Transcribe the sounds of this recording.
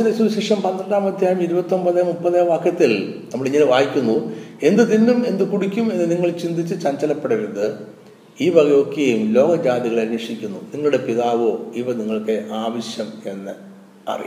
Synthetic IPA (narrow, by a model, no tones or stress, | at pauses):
iðesuɕikʂjɐmpɐnd̪rɐɳɖaːmɐd̪ʱjaːjɐmiɾubɐt̪ːombɐðɐmupːɐðeːʋaːkʰjɐt̪ːilnɐmːɐɭiŋːɐnʋaːjikʲːunːue̞nd̪ɨðinːume̞nd̪ɨkuɽikʲːume̞nːɨniŋːɐɭt͡ɕind̪ʱit͡ɕːɨt͡ɕɐɲt͡ɕɐlɐpːeɽɐjund̪ɨ | iːʋɐɣɐjo̞ːkːɐjumlo̞ːɡɐd͡ʑaːðiɣɐɭɐɾeːʂikʲːunːuniŋːɐɭuɽe̞piðaːʋo̞ːiʋɐniŋːɐɭkeʔaːʋɐɕjɐme̞nːɨ | ɐ̰rḭj̰